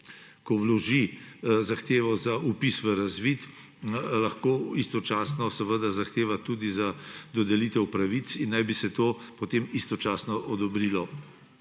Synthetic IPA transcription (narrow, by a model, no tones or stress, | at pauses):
kɔwlɔʒizaxt̪eːʋɔzaupisʋəɾazʋit̪ | laxkoːist̪ɔt͡ʃaːsnɔsəʋəd̪azaxt̪eːʋat̪uːd̪izad̪ɔd̪ɛlit̪ɛwpɾaʋit̪sinːajbisɛt̪oːpɔt̪emist̪ɔt͡ʃaːsnɔʔɔd̪ɔbɾiːlɔ